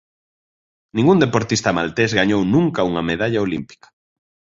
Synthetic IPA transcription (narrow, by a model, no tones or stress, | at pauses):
nĩŋɡund̪epoɾt̪ist̪ɐmalt̪ezɣaɲownũŋkɐuŋɐmeðaʎɐolimpi̥kɐ̥